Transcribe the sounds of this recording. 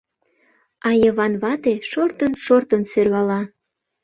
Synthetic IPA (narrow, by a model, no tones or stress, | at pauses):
ɑjɤ̆βɑnβɑt̪eʃort̪ə̆nʃort̪ə̆nserβɑlɑ